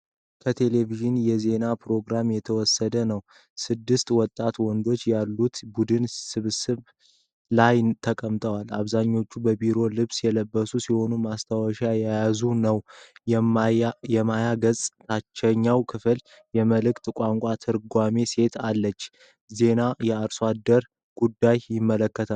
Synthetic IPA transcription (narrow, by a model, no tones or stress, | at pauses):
kʰət̪ʰe̞le̞viʒɨnjɛze̞napɾo̞ɡɾamjɛt̪ʰəwɔsːəd̪ənəw | sɨd̪ːɨst̪ʼwɔt̪ʼːat̪wɔnd̪o̞t͡ʃːjalːut̪bud̪ɨnsɨβsɨβ | lajt̪ʰəkʼəmt̪ʼəwalaβzaɲːo̞t͡ʃːubəbiɾo̞lɨβsjɛləbːəsusiho̞numast̪ʰawəʃajajazunəw | jɛmajaɡəzʼt̪ʰat͡ʃːɛɲːawkʰɨfɨl | jɛməlɨkt̪kʷʼaŋkʷʼat̪ʰɨɾɡʷame̞se̞t̪ʰalːət͡ʃː | ze̞najɛaɾswad̪ːəɾ | ɡ̥ud̪ːajjɪmːələkːət̪ʰa